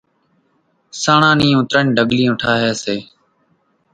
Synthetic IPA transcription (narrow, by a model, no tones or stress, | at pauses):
saːɳãːnĩːʊ̃t̪ɾənːɖəɠlĩːʊ̃ʈʰaːɦeːseː